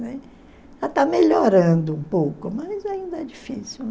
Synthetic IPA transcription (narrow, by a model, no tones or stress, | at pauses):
nɛ | ʒ̥at̪ameʎoɾɐ̃d̪ʊũpowkʊmɐzaĩnd̪ɐɛd͡ʒifisiwn